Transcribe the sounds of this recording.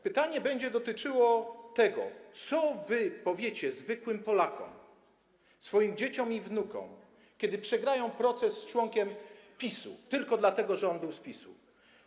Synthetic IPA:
pɘt̪aɲɛbɛɲd͡ʑɛd̪ɔt̪ɘt͡ʂɘwɔt̪ɛɡɔ̰t̪sɔvɘpɔvʲjet͡ɕɛzvɘkwɘmpɔlakɔ̰m | sfɔjimd͡ʑet͡ɕɔmivnukɔ̰̃m | kʲɛd̪ɘpʂɛɡɾajɔ̃w̃pɾɔt̪sɛsːt͡ʂwɔŋkʲɛmpʲisṵt̪ɘlkɔd̪lat̪ɛɡɔʐɛɔnbɘwspʲisṵ

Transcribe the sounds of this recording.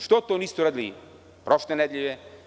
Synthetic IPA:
ʃt̪ɔt̪onist̪oɾad̪li | pɾɔʃt̪ɛnɛd̪lʲʎʲivɛ

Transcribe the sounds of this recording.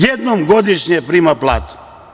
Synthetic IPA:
jed̪nomɡod̪iʃɲepɾiːmaplˠa̰ːt̪u̥

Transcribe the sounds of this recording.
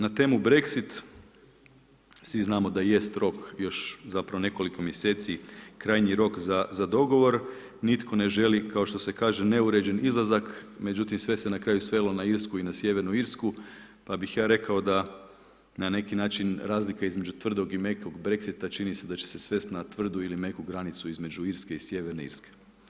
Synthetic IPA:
nat̪e̞ːmubɾe̞ksit̪ | sʋiznaːmo̞d̪aje̞st̪ɾo̞kjo̞ʃzapɾaone̞ko̞liko̞mje̞seːt̪sikɾaːjɲiɾo̞kzazad̪o̞ɡo̞ʋo̞ɾ | nit̪kʰo̞ne̞ʒe̞likaoʃt̪o̞se̞kaːʒe̞ne̞uɾe̞d͡ʒenizlˠazakme̞d͡ʒut̪imsʋe̞senakɾaːjusʋe̞lo̞naiɾskuinasje̞ʋeɾnuiɾsku | pabixjaːɾe̞kao̞d̪a | nane̞kinaːt͡ʃinɾaːzlikaizme̞d͡ʒut̪ʋr̩d̪o̞ɡimekoɡbɾe̞ksit̪at͡ʃinise̞d̪at͡ʃe̞̥se̞sʋe̞st̪nat̪ʋr̩d̪uilimekuɡɾanit̪suizme̞d͡ʒuiɾske̞isje̞ʋeɾneḭɾske̥

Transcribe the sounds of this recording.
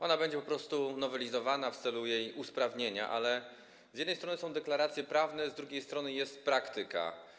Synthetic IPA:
ʔɔnabɛɲd͡ʑɛpɔpɾɔst̪unɔvɛlʲizɔvanaft̪sɛlujejuspɾavɲeɲa̰ʔa̰lɛ | z̥jɛd̪nɛj̪t̪ɾɔnɘsɔ̃w̃d̪ɛklaɾat̪sʲjɛpɾavnɛzd̪ɾuɡʲejst̪ɾɔnɘjɛst̪̚pɾakt̪ɘka̰

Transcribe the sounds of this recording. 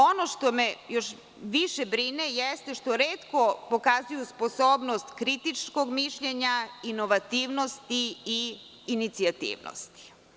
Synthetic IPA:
onoʃt̪o̞mejoʃ | ʋiʃebɾinejest̪eʃt̪oɾeːt̪ko̞po̞kazujuspo̞soːbnost̪kɾit̪it͡ʃko̞ɡmiʃʎeɲainoʋat̪iːʋnost̪iiː | nit̪siat̪ḭːʋno̰st̪i̥

